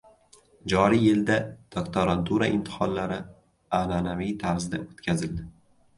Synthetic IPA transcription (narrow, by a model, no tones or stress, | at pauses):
d͡ʒɒɾijɪld̪ad̪̥okt̪ʰoɾant̪ʰuɾaʔɪmt̪ʰɪ̥hɒnlaɾɪ | ananavijt̪ʰaɾzd̪a̰ot̪kʲʰazɪld̪ɪ